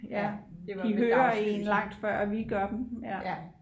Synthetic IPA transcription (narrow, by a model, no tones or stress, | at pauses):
jæ̥iɦøːɐḛnlɑ̈ŋ̰d̥fɶɐ̰ʋiɡ̥ɶɐd̥emjæ